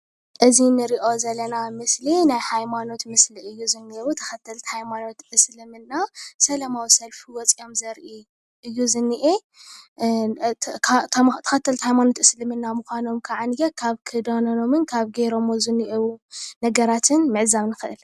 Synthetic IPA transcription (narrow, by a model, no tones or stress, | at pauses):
ʔɨzinɨɾiʔo̞zɐlːɐnamɨslinajhajmano̞t̪mɨsliʔɨjːuzɨnːeɾut̪ʰɐ̥xɐt̪ʰːɐlt̪hajmano̞t̪ʔɨslɨmɨnːasɐlɐmawisɐlfiwɔt͡sʼio̞mzɐɾʔi | ʔɨjːuzɨnːiʔe | t̪t̪ʰɐ̥xɐt̪ʰːɐlt̪hajmano̞t̪ɨslɨmɨnːamɨxʷano̞mkʰɐʕanjɐkʰaβkʰɨd̪onono̞mɨnkʰaβɡeɾo̞mozɨnːiʔewunɐɡɐɾat̪ʰɨnmɨʕzaβnɨxɨʔɨl